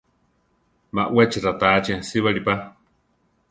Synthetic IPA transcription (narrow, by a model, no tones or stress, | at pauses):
ma̰ʔwɛt͡ʃiɾat̪at͡ʃiasiβaɺipa